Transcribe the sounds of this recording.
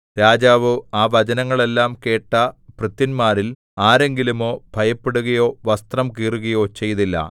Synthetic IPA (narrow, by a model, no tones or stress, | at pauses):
ɾaːd͡ʑaːʋɨaːʋɐd͡ʑɐnɐŋːɐɭe̞lːaːmke̞ːʈːɐprɨt̪ːinmaːɾil | aːɾe̞ŋɡilumo̞ːbʱɐjɐpːeɽuɣɐjo̞ːʋɐst̪rɐmkiːruɣɐjo̞ːt͡ɕe̞jt̪ilːɐ̰